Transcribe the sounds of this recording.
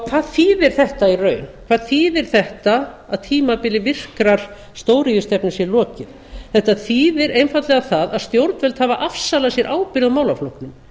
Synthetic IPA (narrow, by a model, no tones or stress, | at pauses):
kʰvaːðθiːðɪɾ̥θɛht̪airœːɥnkʰvaːðθiːðɪɾ̥θɛht̪aːðt̪ʰiːmapɪlːɪvɪr̥kɾaɾ̥ | st̪oːwɾɪjʏst̪ɛpnʏsjɛlɔːcɪð̥ | θɛht̪aθiːðɪɾejnfat̪lɛɣaθaðaðst̪jowɾt̪nvɛlt̪havaʔafsalasjɛɾʔaːwpɪɾðamaːwlaflowhknɪm